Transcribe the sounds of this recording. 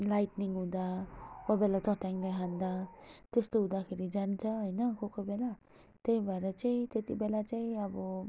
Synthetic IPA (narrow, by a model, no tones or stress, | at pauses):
lajʈniŋɡɦũd̪akobelat͡sʌʈjaŋlejɦand̪at̪est̪oɦũd̪akʰeɾid͡zant͡sʰʌɦojnʌkokobela | t̪ejbʱʌeɾʌt͡saĩt̪et̪ibelat͡saĩʌbʌ